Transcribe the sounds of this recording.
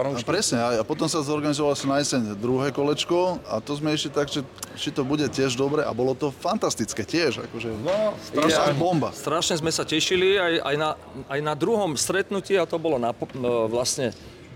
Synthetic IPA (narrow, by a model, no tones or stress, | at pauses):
pɾɛsɲɛajapɔt̪ɔmsazɔɾɡanizɔʋalasɔmnajɛsɛɲd̪ɾuɦɛːkɔlɛt͡ʃkɔat̪ɔzmɛiʃlit̪aɡʒɛt͡ʃit̪ɔbuɟɛcɪɛʒd̪ɔbɾɛʔa̰bɔlɔt̪ɔfant̪ast̪it͡skɛːcɪɛʒa̰kɔʒɛsabɔmbast̪ɾaʃɲɛzmɛsacɛʃiliaja̰jna | ajnad̪ɾuɦɔmst̪ɾɛt̪nuciːat̪ɔbɔlɔnapʋlasɲɛ